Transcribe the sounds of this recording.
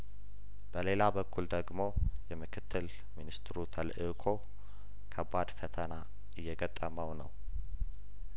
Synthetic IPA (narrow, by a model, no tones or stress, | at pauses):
b̥əle̞labəkʰːuld̪əɡmo̞jɛmɨkʰɨt̪ʰːɨl | minist̪ʰɾut̪ʰəlʔɨkʰo | kʰəbad̪fət̪ʰəna | ɨjːɛɡət̪ʼːəməwnəw